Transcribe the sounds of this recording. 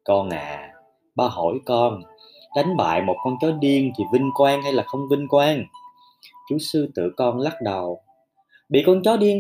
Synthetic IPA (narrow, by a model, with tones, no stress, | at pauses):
kɔ˧nʔa̰ː˨ | ɓaː˧ɦo̰˧˩jkɔ˧n | ɗa˨˦jŋ̟ɓa̰ː˧˨jmo˨˩t̚kɔ˧nt͡ɕɔ˨˦ɗi˧əŋt̪ʰi˨˩vï˧ŋ̟kwaː˧ŋha˧jlaː˨˩xə˧wŋ͡mvï˧ŋ̟kwaː˧ŋ | t͡ɕu˨˦sɨ˧t̪ɨ̰˧˨kɔ˧nla˦˥t̚ɗə˨˩w | ɓḭ˧˨kɔ˧nt͡ɕɔ˨˦ɗi˧əŋ